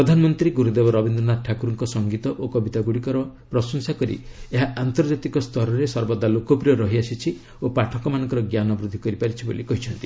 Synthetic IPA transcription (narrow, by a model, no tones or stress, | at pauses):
ɾɔd̪ʱanɔmɔnt̪ɾiɡuɾud̪ebɔɾɔbind̪ɾɔnaʈʰakuɾɔŋkɔsɔŋɡit̪ɔʔokɔbit̪aɡuɽikɔɾɔpɾɔsɔŋsakɔɾḭeɦaʔant̪ɔɾd͡ʒat̪ikɔst̪ʰɔɾɔɾesɔɾbɔd̪ːalokɔpɾijɔɾɔɦiasit͡ʃʰi | opaʈʰɔkɔmanɔŋkɔɾɔɡjanɔbɾud̪ʱikɔɾipaɾit͡ʃʰibo̰likɔɦit͡ʃʰɔnt̪i